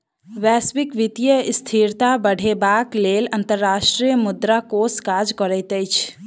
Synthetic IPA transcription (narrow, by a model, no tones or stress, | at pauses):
ʋɛsbikʋit̪ijəst̪ʰiɾt̪abəɽ̤ebaklelənt̪əɾːaʃʈɾijəmʊd̪ɾakoskad͡ʒkəɾəjt̪əjt͡ʃʰ